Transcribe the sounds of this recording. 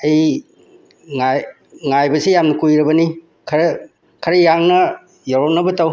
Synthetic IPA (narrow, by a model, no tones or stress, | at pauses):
ɐj | ŋaj | ŋajbɐsijamnɐkujɾɐbɐni | kʰɐɾ | kʰɐɾɐjaŋnɐ | jawɾopnɐbɐtaw